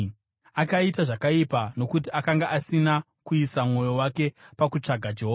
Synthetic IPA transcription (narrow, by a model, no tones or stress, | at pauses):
akaitaʐakaipano̞kutiʔakaŋɡaʔasina | kuisamŋo̞jo̞wake̞pakut͡ʂaɡʱad͡ʒeɦoːa